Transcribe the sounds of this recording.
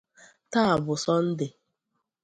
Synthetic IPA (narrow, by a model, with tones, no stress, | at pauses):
ta˦a˨bʊ˨sɔ˦n̩˦dɪ˨